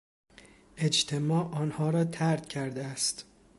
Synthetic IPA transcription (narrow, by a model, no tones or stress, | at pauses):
e̞d͡ʒt̪ʰe̞mɒːɒːnhɒːɾɒːt̪ʰæɾd̪̥̚cʰæɾd̪eæst̪